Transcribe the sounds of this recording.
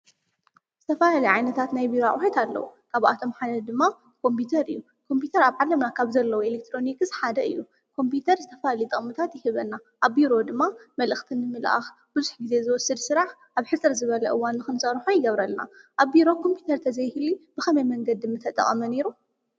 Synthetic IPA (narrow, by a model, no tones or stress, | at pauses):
z̥ɨt̪ʰɐfaalɐjʕajnɐt̪ʰat̪najbiɾoa̰ʔʼwħet̪alːɐ̰wukʰaβa̰t̪ʰo̞mħad̪ɐd̪ɨmːa | kʰo̞mpʰit̪ʰɐɾɨjːu | kʰo̞mpit̪ʰɐɾaβʕalɐmnakʰaβzɐlːɐwelek̚t̪ʰɾo̞nikɨsħad̪ɐɨ̰jːu | kʰo̞mpʰit̪ʰɐɾzɨt̪ʰɐfaalɐjt̪ʼɨkʼmɨt̪ʰat̪jɪhɨβɐnːa | ʔaβːiɾo̞d̪ɨmːamɐlʔɨxt̪ʰɨnːɨmɨlʔa̰x | b̥ɨzuħɡize̞zɨwɔsːɨd̪sɨɾaħʔaβħɨt͡sʼɨɾzɨβɐlɐʔɨwanːɨxɨnsɐɾħujɪɡɐβɾɐlna̰ʔaβːiɾo̞kʰo̞mpʰjut̪ʰɐɾt̪ʰɐzɐjhɨlib̥ɨxɐmɐjmɐŋɡɐd̪ɨmːɨt̪ʰɐt̪ʼɐ̰χʼɐmɐne̞ɾu